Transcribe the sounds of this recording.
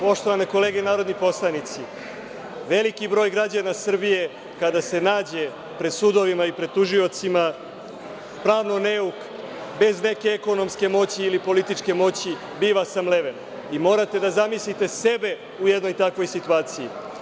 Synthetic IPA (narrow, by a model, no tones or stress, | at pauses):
po̞ʃt̪o̞ʋaneko̞le̞ːɡenaːɾo̞d̪nipo̞slˠanit̪si | ʋe̞likibɾo̞ːjɡɾad͡ʑanasr̩bije̞ | kad̪ase̞naːd͡ʑe̞ | pɾed̪sud̪o̞ʋimaipɾe̞d̪̚t̪uʒio̞t̪sima | pɾaːʋnoneuk | be̞zne̞ke̞eko̞no̞mske̞mo̞t͡ɕiːlipo̞lit̪it͡ʂke̞mo̞t͡ɕi | biːʋasamle̞ʋen | imo̞ːɾat̪e̞d̪azamislit̪e̞se̞be̞ | uje̞d̪no̞jt̪akʋo̞jsit̪uaːt̪siji